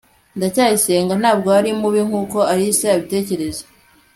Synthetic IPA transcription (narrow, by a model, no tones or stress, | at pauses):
ndacaːjise̞ːŋɡan̥aːbɡoaɾimuβiŋ̥uːko̞aɾiseaβite̞ːce̞ɾe̞ze̥